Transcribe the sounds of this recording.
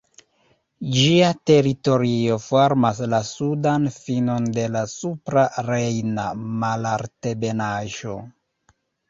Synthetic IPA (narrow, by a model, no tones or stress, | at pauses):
d͡ʒiate̞ɾito̞ɾio̞foɾmaslasudanfino̞nde̞lasupɾaɾejnamalaɾte̞be̞naʒo̞